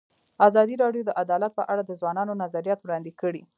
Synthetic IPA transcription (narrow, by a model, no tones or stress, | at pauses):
azɑd̪iɾɑɖjod̪əʔad̪ɑlat̪̚pəʔaɽad̪əzwɑnɑnonazaɾijɑt̪wɽɑnd̪ekəɽi